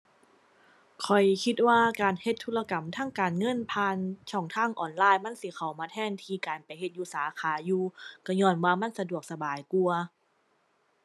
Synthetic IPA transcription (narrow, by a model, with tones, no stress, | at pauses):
kʰɔ˨˩jkʰi˧t̪̚waː˧˩kaː˨˩nhe˧t̪ʰːuː˧la˧ka˨˩mt̪ʰaː˧˥˨ŋkaː˨˩nŋɤ˧˥˨npʰaː˧nt͡ɕʰɔː˧˩ŋt̪ʰaː˧˥˨ŋʔɔː˨˩nlaː˧˨jma˧˥˨nsi˧˦xʰa˨˩wmaː˧t̪ʰɛː˧˥˨nt̪ʰiː˧kaː˨˩npa˨jɦe˧t̪̚juː˧˩saː˨˦kʰaː˨˦juː˧kɔ˧˩ɲɔː˧˩nwaː˧˩ma˧˥˨nsa˧du˨˩ək̚sa˧baː˨˩jku˧ɐ